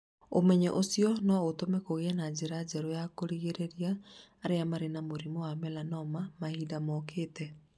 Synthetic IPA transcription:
omɛɲɛʔosiɔnɔotomɛkoɣeɛnad͡ʑeɾad͡ʑɛɾɔjakoɾiɣeɾeɾiaːɾeamaɾenamoɾimowamɛlanɔmamahidamɔkʰeːtɛ

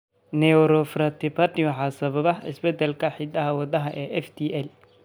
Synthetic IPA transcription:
nɛɔɾɔfɾɐt̪ɪpʰat̪ɪwħɑsɐβɐβɐɪ̰sbɛd̪ɛlkʰɐħɪd̪ɐɦɐwɑd̪ɐɦɐʔɛːʔɛft̪ʰiʔɛl

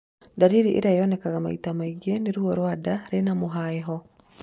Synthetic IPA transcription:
daɾiɾiʔḛɾajɔnɛkaɣama̰itamaiɡieneɾuɔɾwadaɾenamoɦaɛɦɔ

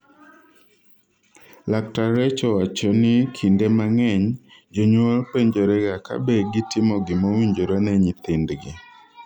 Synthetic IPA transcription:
lak̚taɾɛt͡ʃɔwat͡ʃɔnɪkʰindemaŋɛɲ | d͡ʒoɲwɔlpeɲd͡ʒoɾɛɡaka̰beɡɪtɪmɔɡɪmawiɲd͡ʒoɾanɛɲɪt̪ɪndɡɪ

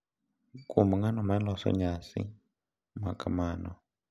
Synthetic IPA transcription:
kumaŋanɔmalɔsɔ̰ɲasḭ | makʼamaːnɔ

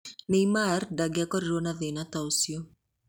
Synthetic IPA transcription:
neimardaɡɪakɔɾiɾonaðenat̪ausjo

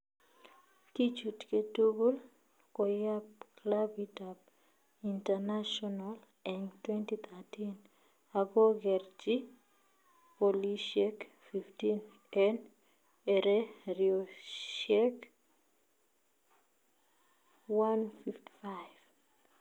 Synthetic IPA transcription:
kit͡ʃutketuɡul | kɔjapklavitap | intanaʃɔnal | ɛŋtwɛntit̪ʰatin | aɡɔɡɛrd͡ʒi | poliʃɛk | fiftin | ɛn | ɛɾeɾioʃɛk | wanfifti̥fajv̥

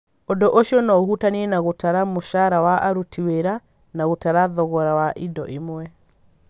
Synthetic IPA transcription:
ondoʔoʃiɔnaohutaniɛnaɣotaɾamoʃaɾawaʔaɾutiweɾa | naɣotaɾaðɔɣɔɾawaʔidɔ̰ʔimwɛ

